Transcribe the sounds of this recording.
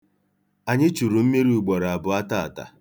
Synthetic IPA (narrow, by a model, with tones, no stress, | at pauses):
a˨ɲɪ˦t͡ʃu˨ɾu˨m̩˦me˦ɾiu˦˨u˨ɡ͡bɔ˨ɾa˨a˨bʊ˨a˦ta˦a˨ta̰˨